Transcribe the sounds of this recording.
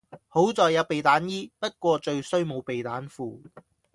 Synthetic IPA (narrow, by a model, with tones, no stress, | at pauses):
ho˨˥wt͡sɔː˨jɐ˨˥wpe˨jt̪aː˨˥njiː˥pɐ˥t̚kʷɔː˧t͡ʃɵ˧ɥsɵ˥ɥmo˨˧wpe˨jt̪aː˨˥nfuː˨˩